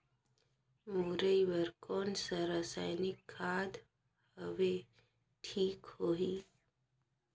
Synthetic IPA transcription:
muɾəiʋəɾkʰoːnsəɾasajnikʰːaːd̪ | həʋe | ʈʰiːkhoɦi

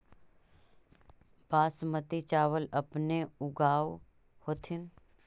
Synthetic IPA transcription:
baːsmət̪it͡ʃaːʋələpneʊɡaːʋ | hoːt̪ʰɪn

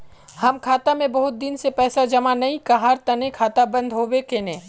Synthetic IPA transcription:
hɐmkʰaːt̪amẽbɐɦʊt̪̚d̪ɪnsepɛːsad͡ʒɐmanɐĩkaɦaːɾt̪ɐnekʰaːt̪abɐ̃nd̪ʱɦoːʋekenẽː

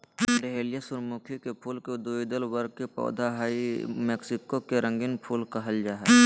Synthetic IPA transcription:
ɾeɦelɪjasʊɾmukʰikepʰuːlked̪uːid̪əlwəɾɡ̚kepɔ̰ːd̪ʱaɦaːimeːksɪkokeɾə̃ŋɡɪnpʰuːlkɐɦəld͡ʒaːɦɛ

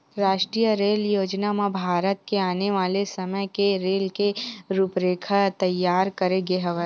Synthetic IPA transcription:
ɾaːʃʈɾiːjəɾeːljoːd͡ʒnamabʱaːɾət̪keaːneʋaːlesɐməjkeɾeːlkeɾuːpɾeːkʰət̪ɐjːaːɾkɐɾeɡeːɦəʋə

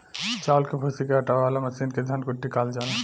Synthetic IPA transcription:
t͡ʃaːlkepʰosikeɦɐʈaaːlamɐsiːnked̪ʱɐnkoʈːikaːld͡ʒaːle

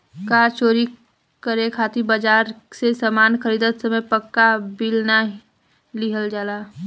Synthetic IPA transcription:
kaːɾt͡ʃoːɾi | kəɾekʰaːt̪ibəd͡ʒaːɾsesaːmaːnxəɾiːd̪ət̪sɐmə̃jpəkːabilna | liɦəld͡ʒaːlaː

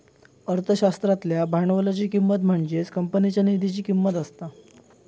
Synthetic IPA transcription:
əɾt̪ʰəɕast̪ɾat̪ljabʱaɳʋəlat͡ɕiːkimːət̪m̤əɳd͡ʑet͡skəmpənit͡ɕjanid̪ʱit͡ɕiːkimːət̪əst̪a

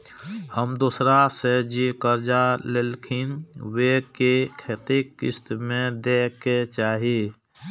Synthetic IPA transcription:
həmd̪uːsɾased͡ʒikəɾd͡ʒalelkʰinwekekʰet̪ikːɪ̰st̪mẽd̪eːkːet͡ʃaːɦie

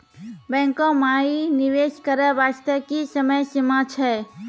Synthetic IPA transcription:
bɛ̃ŋkɔ̃mainiʋeʃkəɾəbast̪əkisəməjsimat͡ʃʰɛ

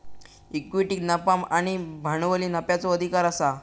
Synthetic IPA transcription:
ikʋiʈiknapamañibʱaɳʋəliːnapjat͡sɔəd̪ʱikaɾasa

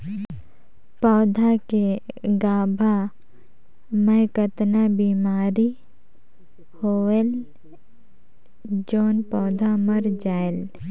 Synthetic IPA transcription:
pɔːd̪ʱakeɡaːbʱa | mə̃ːkət̪nabiːmaːɾi | hoːel | d͡ʒoːnpɔːd̪ʱaməɾd͡ʒaːel

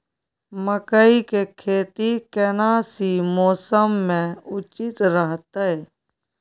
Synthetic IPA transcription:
məkəikekʰeːt̪ikɛːnaːsimoːsəmːẽʊt͡ʃɪt̪ɾəɦt̪aɦeː

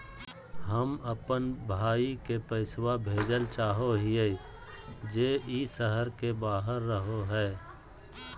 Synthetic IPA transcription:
ɦəməpənbʱaːikepəɪswabʱeːd͡ʒəlt͡ʃaːɦoɦɪje | d͡ʒeːiːsəɦəɾkebaːɦəɾːəɦoɦɛː

